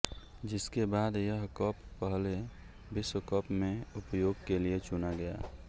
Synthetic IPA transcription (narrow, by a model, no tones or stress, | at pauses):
d͡ʒɪskebaːd̪jəɦkɔpːəɦle | bɪswəkɔːpmẽʊpjoːɡkeliet͡ʃʊnaɡɐja̰ː